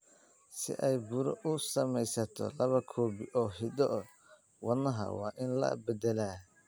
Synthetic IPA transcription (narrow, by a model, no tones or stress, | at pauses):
sɪ̰ʔɛjbʊɾɔ̰ʔʊsɐmɛjsɐt̪ʰɔ̰lɐβɐkʰɔːbɪʔɔːɦɪd̪ɔ | wɐnɐɦɐ̰wɑ̰ːʔɪnlɐ̰bɛd̪ɛlaː